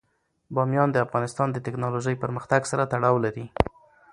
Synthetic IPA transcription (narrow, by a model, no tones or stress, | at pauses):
bɑmjɑnd̪əafɣɑnɪst̪ɑnd̪ət̪ɪknɑloʒəjpəɾməxt̪aɡsaɾat̪aɽɑwlaɾi